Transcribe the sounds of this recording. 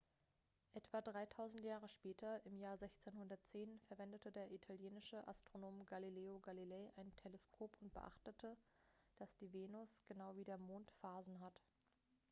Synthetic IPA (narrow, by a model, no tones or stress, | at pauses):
ʔɛtv̥adʁaɪtʰaʊzn̩tjaːʁ̞əʃpɛːtʰɐɪmjaːɐzɛçt͡senhʊndɐtt͡seːnfɛɐvɛndətədeːɐʔitʰaljeːnɪʃəʔa̰stʁ̥onoːmɡalileːoɡalilɛːʔaɪntʰeləskʰoːpʊnt̚b̥ə̰ʔa̰χtətʰəd̥asd̥iːveːnʊsɡ̥ənaʊviːdeːɐmoːntfaːzn̩ɦat